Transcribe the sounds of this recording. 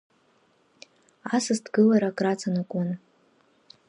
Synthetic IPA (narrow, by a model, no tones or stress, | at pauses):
asɨsdɡɨlaɾakʼrat͡sʰʼanɨkʷʼʊn